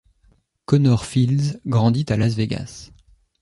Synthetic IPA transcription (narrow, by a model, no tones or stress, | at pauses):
kɔnɔʁfilzɡʁɑ̃d̪it̪alazveɡa̰s